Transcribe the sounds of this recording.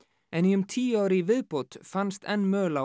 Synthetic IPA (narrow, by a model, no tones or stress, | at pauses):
ɛniʏmt̪ʰiːaːwɾɪivɪðpowt̪fanst̪ʰɛnːmœːla